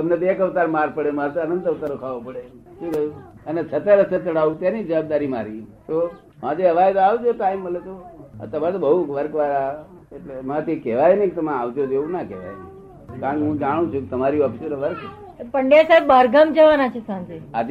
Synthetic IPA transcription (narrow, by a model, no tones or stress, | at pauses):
t̪əmnet̪oekəʋt̪aɾmaɾpəɽemaɾt̪ənənt̪əʋt̪aɾokʰaʋopəɽe | ʃũke | ənet͡ʃʰət̪əɾəsʰət̪əɾaʋũt̪janid͡ʒəʋab̚d̪aɾimaɾit̪o | mãd͡ʒeəʋajt̪aʋd͡ʒoʈaimːəlet̪oə̰t̪əmat̪obəɦuʋəɾkʋaɾa | eʈlemãt̪ʰikɛʋajneket̪əmẽaʋd͡ʒ̪jod̪eũnakɛʋa̰jne | kaɾ̃keɦũd͡ʒaɽ̃ũt͡ʃʰũket̪əmaɾiɔpʰisoɾʋəɾk̪ | pəɳɖesaibːəɾɡəmd͡ʒəʋanat͡ʃʰesãnd͡ʒ̪iad͡ʒ